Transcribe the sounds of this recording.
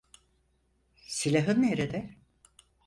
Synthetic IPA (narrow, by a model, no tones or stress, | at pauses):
silʲaɦɯnːeɾed̪ɛ